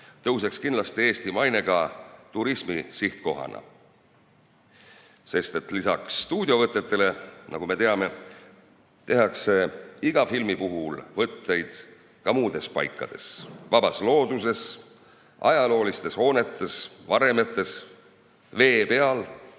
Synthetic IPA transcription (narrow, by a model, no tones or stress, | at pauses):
t̪ɤwse̞kskinlɑst̪ie̞ːst̪imɑjne̞ɡ̥ɑt̪uɾismisiht̪ko̞ɦɑ̰nʔɑ̰ | se̞st̪e̞t̪lisɑksːt̪uːd̪̥ʲjovɤt̪ːˑet̪ːe̞le̞nʔɑ̰ɡ̥ume̞t̪eɑme̞ | t̪e̞ɦɑkse̞iɡ̥ɑfilmipuɦulvɤt̪ːe̞jd̪̥ | kɑmuːd̪̥e̞spɑ̰jkːˑɑ̰d̪̥e̞svɑb̥ɑslo̞ːd̪̥use̞s | ʔɑjɑlo̞ːlist̪e̞sho̞ːne̞t̪ːˑe̞svɑɾe̞me̞t̪ˑːe̞s | ve̞ːpe̞ɑl